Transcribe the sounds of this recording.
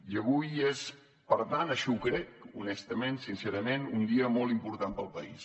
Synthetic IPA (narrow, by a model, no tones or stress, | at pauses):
jəβujes | pəɾt̪anəʃɔukɾɛkṵnɛst̪əmensinseɾəmenund̪iəmɔlˠimpuɾt̪ampəlˠpəḭs